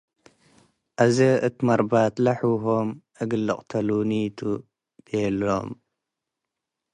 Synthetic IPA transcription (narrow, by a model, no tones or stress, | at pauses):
ʔazeʔɨt̪ʰimɐɾbat̪laħwɦomʔɨɡɨlːɨqʼt̪ʰɐlunit̪ʰu | b̥elo̰m